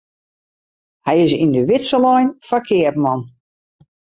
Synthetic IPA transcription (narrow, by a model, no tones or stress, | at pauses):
hɛjɪsindəʋɪtsəlɔjnfakʰɪəp̚mɔn